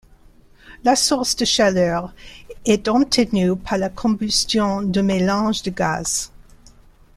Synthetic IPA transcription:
lasuʁsd̪əʃalœːʁɛt̪ɑ̃t̪ʰənypʰaʁlakʰɔ̃bystjɔ̃d̪əmelɑ̃ʒd̪əɡaz̥

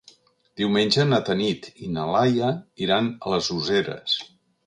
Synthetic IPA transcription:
d̪iwmenʲd͡ʒənət̪ənit̪inəlajəiɾanələzuzeɾə̰s

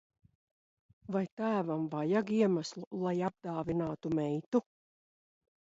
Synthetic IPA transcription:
vajt̪æːvamvajaɡiɛmaslˠulˠajab̚d̪aːvinaːt̪umɛjt̪u

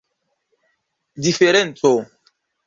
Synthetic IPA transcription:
difeɾɛnto

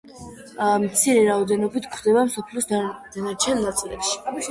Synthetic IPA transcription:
mt̪sʰiɾɛɾaɔd̪ɛnɔbit̪ʰkʰwd̪ɛbamsɔpʰlɔsd̪̥anaɾt͡ʃʰɛnnat̪sʼilɛ̰pʃi̥

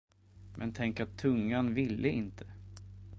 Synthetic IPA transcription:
mʔɛ̰nt̪ʰɛŋkat̪ʰːɵŋːanvɪlːəɪnt̪ʰə

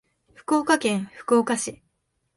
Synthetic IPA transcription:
ɸɯ̟̥kɯoːkakẽ̞ɰ̃ɸɯ̟̥kɯoːkaɕi

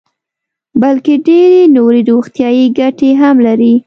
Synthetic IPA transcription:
balkeɖeɾenoɾeɾoxt̪jɑjeɡaʈeɦamlaɾi

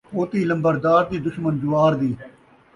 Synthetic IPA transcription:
oːt̪iːlə̃mbəɾd̪aːɾd̪iːd̪ʊʃmənd͡ʒʊʋaːɾd̪iː

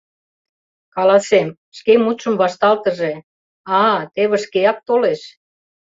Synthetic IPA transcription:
kɑlɑsem | ʃkemut̪ʃə̆mβɑʃt̪ɑlt̪ə̆ʒe | ɑt̪eβə̆ʃkeɑk̚t̪oleʃ

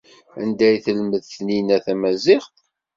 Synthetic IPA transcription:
æ̰nd̪æjθəlməðθninæθæmæzɪʁ

